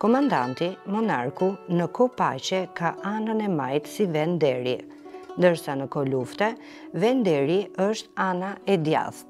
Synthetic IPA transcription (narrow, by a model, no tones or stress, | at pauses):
kɔmand̪ant̪imɔnaɾkunəkɔpa̰t͡ʃɛkaʔanənɛmajt̪sivɛnd̪ɛɾi | nd̪əɾsanəkɔluft̪ɛ | vɛnd̪ɛɾiəʃt̪anaɛd̪ja̰ð